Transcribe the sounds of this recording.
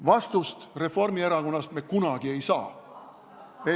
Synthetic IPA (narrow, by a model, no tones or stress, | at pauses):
vɑst̪ust̪re̞fo̞rmieɾɑko̞nːɑst̪me̞kunɑɡ̥ie̞jsɑː | e